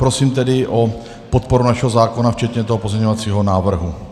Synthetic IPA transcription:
pɾo̞siːmt̪ɛdɪʔo | po̞t̪̚po̞ɾunaʃɛɦozaːko̞naft͡ʃɛt̪ɲɛt̪oɦopo̞zɲɛɲovat͡siːɦonaːvr̩ɦu

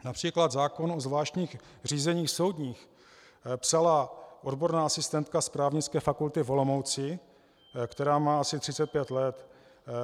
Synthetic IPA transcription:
napr̝̥iːklad̪zaːko̞nozvlaːʃcɲiːx | r̝iːzɛɲiːxso̞wdɲiːx | psalaʔo̞dbo̞ɾnaːʔasɪst̪ɛnt̪kaspɾaːvɲɪt͡skɛːfakult̪ɪvo̞lo̞mo̞wt͡sɪ | kt̪ɛɾaːmaːasɪt̪r̥ɪt͡sɛt̪̚pjɛt̪lɛt̪

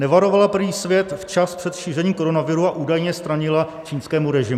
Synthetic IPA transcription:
nɛvaɾo̞valapr̩vɲiːsvjɛt̪ft͡ʃaspr̥ɛt̪ʃiːrɛɲiːmko̞ɾo̞navɪɾuaʔuːdajɲɛst̪ɾaɲɪla | t͡ʃiːnskɛːmuɾɛʒɪm

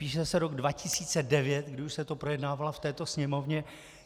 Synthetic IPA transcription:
piːʃɛsɛɾo̞ɡdvacɪsiːt͡sɛdɛvjɛt̪ɡdɪuʃsɛt̪opɾo̞jɛdnaːvalaft̪ɛːt̪o̞sɲɛmo̞vɲɛ

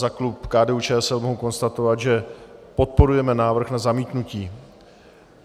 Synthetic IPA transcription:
zaklupkaːdɛut͡ʃɛːɛsɛlmo̞ɦoko̞nst̪at̪o̞vad̪ʒɛpo̞t̪̚po̞ɾujɛmɛnaːvr̩xnazamiːt̪nuciː

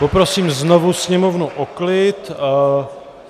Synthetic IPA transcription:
popɾo̞siːmznovusɲɛmovnuʔoklɪt̪

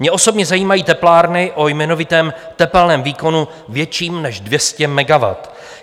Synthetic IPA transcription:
mɲɛʔo̞so̞bɲɛzajiːmajiːt̪ɛplaːɾnɪʔo̞jmɛno̞vɪt̪ɛːmt̪ɛpɛlnɛːmviːko̞nu | vjɛt͡ʃiːmnɛʒdvjɛscɛmɛɡava̰t̪

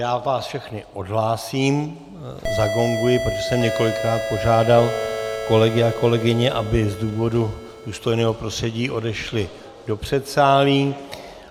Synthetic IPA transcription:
jaːvaːsfʃɛxnɪʔo̞dɦlaːsiːm | zaɡo̞ŋɡujɪpɾot̪o̥ʒɛsɛmɲɛko̞lɪkɾaːt̪̚po̞ʒaːdalko̞lɛɡɪako̞lɛɡɪɲɛʔabɪzduːvo̞du | duːst̪o̞jnɛːɦo̞pɾo̞st̪r̥ɛɟiːʔo̞dɛʃlɪ | do̞pr̝̥ɛt̪saːliː

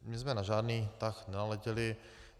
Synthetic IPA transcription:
mɪzmɛnaʒaːdniːt̪axnɛnalɛcɛlɪ

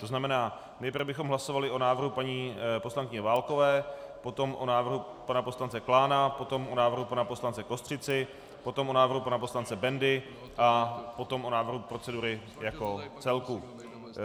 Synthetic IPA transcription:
t̪o̞znamɛnaː | nɛjpɾrvbɪxo̞mɦlaso̞valɪʔo̞naːvr̩ɦupaɲiːposlaŋkɪɲɛvaːlko̞vɛːpo̞t̪o̞mʔonaːvr̩ɦu | panapo̞slant͡sɛklaːnapo̞t̪o̞mʔonaːvr̩ɦupanaposlant͡sɛko̞st̪r̝̥ɪt͡sɪ | pot̪o̞mʔo̞naːvr̩ɦupanapo̞slant͡sɛbɛndɪ | ʔapo̞t̪o̞mʔo̞naːvr̩ɦupɾo̞t͡sɛduɾɪ | jako̞t͡sɛlku

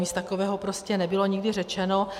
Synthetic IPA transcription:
ist̪akovɛːɦo̞pɾoscɛnɛbɪlo̞ɲɪɡdɪrɛt͡ʃɛno̞

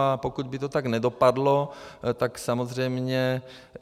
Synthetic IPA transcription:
apokud̪bit̪ot̪aɡnɛdopadlot̪aksamozrɛjmɲɛ

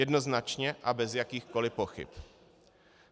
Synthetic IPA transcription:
ɛdno̞znat͡ʃɲɛʔabɛzjakiːxko̞lɪpo̞xɪ̰p

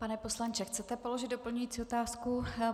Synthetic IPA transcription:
panɛpo̞slant͡ʃɛxt͡sɛt̪ɛpolo̞ʒɪd̪dopl̩ɲujiːt͡siot̪aːsku

